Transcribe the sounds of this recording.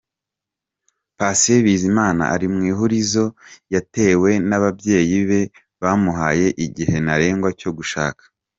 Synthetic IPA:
paseβiːzimaːna̰ʔaɾimŋiːɦuɾizo̞jate̞we̞naβabje̞ːjiβe̞ | βaːmuɦaːje̞ʔiɟihe̞naɾe̞ːŋɡwaco̞ɡuʃa̰ːkḁ

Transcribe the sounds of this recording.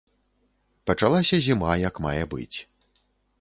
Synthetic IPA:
pɐt͡ʂalˠasʲɐzʲimajɐkma̰jɛbɨ̰t͡sʲ

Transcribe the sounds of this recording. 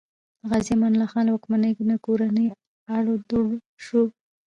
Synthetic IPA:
ɣazimɑnlaxɑlawakmanəjɡunakoɾanəj | aɽod̪uɽ | ʃu

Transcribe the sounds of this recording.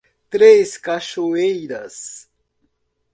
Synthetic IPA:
t̪ɾeskaʃoejɾɐ̰s

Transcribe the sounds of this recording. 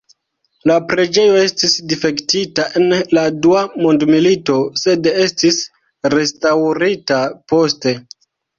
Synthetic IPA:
lapɾe̞d͡ʒe̞jo̞e̞stisdife̞ktitaʔe̞nladuamo̞ndmilito̞se̞de̞stis | ɾe̞stawɾitapo̞ste̞

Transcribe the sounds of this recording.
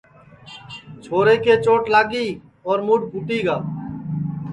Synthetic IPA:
t͡ʃʰoːɾeːkeːt͡ʃoːʈlaːɡiː | ɔːɾmuɖ̚pʊʈiːɡaː

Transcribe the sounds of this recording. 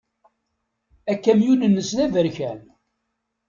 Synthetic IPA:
ækːæmjunənːəsðævəɾçæl

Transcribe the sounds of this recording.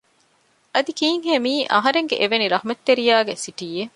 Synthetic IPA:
ɐd̪ikiːŋɦeːmiːʔɐ̰ɦɐɾeŋɡeʔeʋeniɾɐhumɐt̪ːeɾijaːɡesiʈije

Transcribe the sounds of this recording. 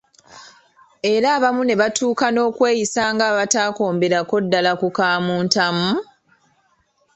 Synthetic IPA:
e̞ɾaːβamune̞βatʰuːkano̞ːkwe̞ːjisaːŋɡaːβataːko̞ːmbe̞ɾako̞dːalakukaːmuːntamu

